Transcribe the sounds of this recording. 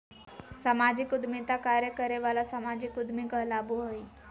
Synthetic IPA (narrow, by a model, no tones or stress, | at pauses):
səmad͡ʑikud̪mit̪akaɾjəkəɾeʋalasəmad͡ʑikud̪mikəɦlabuɦəj